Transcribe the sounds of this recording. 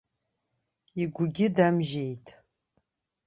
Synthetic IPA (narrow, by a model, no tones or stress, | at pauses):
iɡʷʊɡʲɪdamʒejtʼʰ